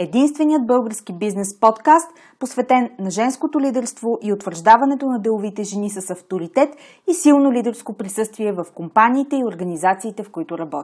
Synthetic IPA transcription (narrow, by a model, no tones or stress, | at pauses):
ɛd̪inst̪vɛnijəd̪̚bɤlˠɡəɾskibiznɛspɔt̪kast̪ | posvɛt̪ɛnːɐʒɛnskot̪olid̪ɛɾst̪voʔiot̪vəɾʒd̪avɐnɛt̪onɐd̪ɛlˠʊvit̪ɛʒɛnisɐsɐft̪oɾit̪ɛt̪ | isilˠnolʲid̪ɛɾskopɾisɤst̪viɛvɐfkompaniːt̪ɛioɾɡɐnizat̪siːt̪ɛfkoit̪ʊɾɐbɔt̪